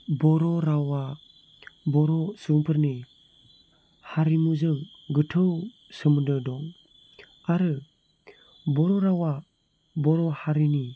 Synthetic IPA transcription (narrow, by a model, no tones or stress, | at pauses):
bɔɾɔɾawa | bɔɾɔsɯŋpʰɯɾni | haɾimuzɯŋ | ɡɯtʰɯw | sɯmɯdɯdɔŋ | aɾɯ | bɔɾɔɾawa | bɔɾɔhaɾini